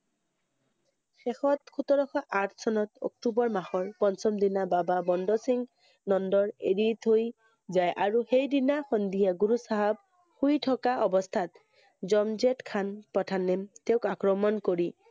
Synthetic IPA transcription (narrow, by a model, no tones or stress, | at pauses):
xɛxɔt̪kʰut̪ɔɹɔxʰaʔatʰsɔnɔtɔ̰k̚tubɔɹmaxɔɹpɔnsɔmdinabababɔndɔsiŋ | nɔndɔɹeɹit̪oj | zajʔaɹuxejdinaxɔnd̪ijaɡuɹusaɦab | xujtʰɔkaʔɔbɔst̪ʰat̪ | zɔmzetkʰanpɔtʰanɛmteʊkakɹɔmɔnkoɹi